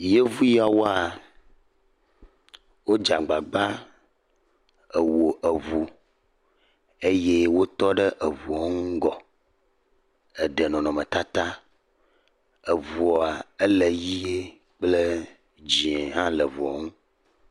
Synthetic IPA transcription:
je˦vu˦ja˨wo˦a˨ | wo˦d͡ʒa˨ɡ͡ba˨ɡ͡ba˦ | ə˨wo˨ʔə˨vu˨ | e˦je˦wo˦t̪ɔ˦ɖə˦ʔə˨vu˨a˨˦ŋũ˦ɡɔ˨ | ə˨ɖə˨nɔ̃˨nɔ̃˨mə˨t̪a˦t̪a˦ | ə˨vu˨a˨e˦le˨ji˦je˦ | k͡plə˦ | d͡ʑĩ˨e˨ɦã˦lə˨vu˨a˨ŋũ˦

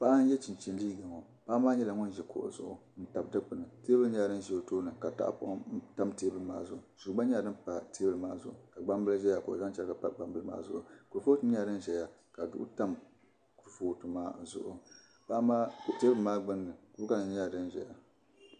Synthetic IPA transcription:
pa˦ʔa˦n˦jɛ˦t͡ʃi˨nt͡ʃi˦n˦liː˦ɡa˨ŋo˨ | pa˦maː˦ɲɛ˦la˨ŋɔ˦nʒɛ˨ko̰˨ʔzʊ̰˦ʔʊ̰˨n̩˦ta˨bdɨ˦k͡pɨ˨nɨ˨teː˦bɨ˦lɲɛ˦a˨dɨ˦n˦ʒɛ˨o˨toː˦nɨ˨ka˨ta̰˦ʔpʊ̰˦ʔta˦mteː˦bɨ˨lɨ˨ma̰ː˦zʊ˦˨ʊ˨z̥u˨˦ba˦ɲɛ˦a˨dɨ˦mpa˨te˦bɨ˦˨lɨ˨maː˦zʊ̰˦˨ʔʊ˨ka˨ɡ͡ba˦mbɨ˦lʒɛ˦ja˨ko˨ʔʊ˨za˦nt͡ʃɛ˦lka˨pa̰˦ɡ͡ba˦mbɨ˦lɨ˦ma̰ː˦zʊ˨ʔʊ˨ku˨foː˦tɨ˦ɲɛ˦a˨dɨ˦nʒɛ˨ja˦ | ka˨dʊ̰˦ʔʊ̰˦ta˦m | ku˨ɾfoː˦˨tɨ˨maː˦zʊ̰˨ʔʊ̰˨ | pa˦maː˦kte˦bɨ˦lmaː˦ɡ͡bɨ˦nːɨ˨ku˦ka˦nɨ˨ɲɛ˦ja˨dɨ˦nʒɛ̰˨ja˨

